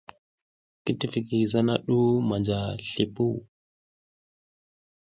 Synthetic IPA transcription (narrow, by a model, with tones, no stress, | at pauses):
ki˦ti˦fi˨ki˨za˦na˦ɗu˦ma˨nd͡ʒa˨ɬi˨pu˦